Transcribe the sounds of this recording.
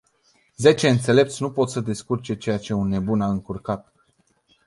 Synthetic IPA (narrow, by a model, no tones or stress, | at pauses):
ze̞t͡ʃe̞ɨnt̪se̞le̞p̚t̪sʲnupo̞t̪səd̪eskurt͡ʃe̞t͡ʃe̞jat͡ʃe̞unːe̞bunaɨŋkurkat̪̚